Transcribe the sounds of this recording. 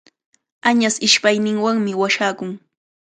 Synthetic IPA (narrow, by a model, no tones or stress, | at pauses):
aɲasɪʃpajnɪŋwaŋmɪwaʃaːkʊŋ